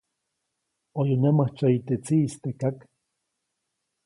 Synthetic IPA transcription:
ojonemaht͡ʃait̪et͡siːst̪ekak

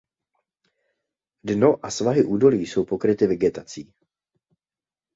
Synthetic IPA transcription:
dno̞ʔasvaɦɪʔuːdo̞liːso̞wpokɾɪt̪ɪvɛɡɛt̪at͡siː

